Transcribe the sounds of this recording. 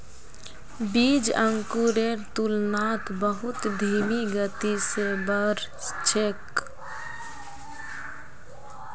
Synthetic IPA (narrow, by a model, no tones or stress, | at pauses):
bid͡ʒəŋkuɾeɾt̪ulnat̪ʰbəɦut̪d̪ʱimiɡət̪isebəɾ | t͡ʃʰek